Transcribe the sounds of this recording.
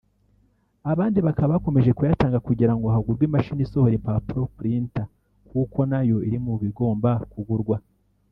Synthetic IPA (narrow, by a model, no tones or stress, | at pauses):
aβaːndiβakaβaβko̞me̞ʒe̞kujataːŋɡakuɟiɾaŋɡohaɡuɾɡwimaʃiniso̞hoɾimpapuɾo̞kuɾinta | kuko̞najo̞iɾimuβiɡo̞ːmbakuɡuɾɡwa